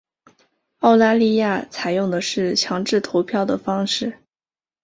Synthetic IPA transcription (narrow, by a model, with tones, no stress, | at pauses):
ɑ˥˩ʊt̪a˥˧li˥˧ja˥˩t͡sʰa˨˩ɪjʊ˥˩ŋd̪ə˩ʂɻ̩˥˩t͡ɕʰjɑ˧˥ŋʈ͡ʂɻ̩˥˩t̪ʰo˧˥ʊpʰjɑ˥˩ʊd̪ə˩fɑ˥ŋʂɻ̩˥˩